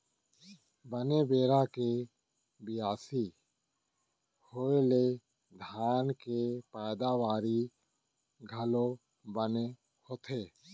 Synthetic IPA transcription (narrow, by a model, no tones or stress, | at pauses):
bənebeːɾake | bɪjaːsi | hoːele | d̪ʱaːnkepɛːd̪aʋaːɾi | ɡʱɐlõ | bəne | hoːt̪ʰeː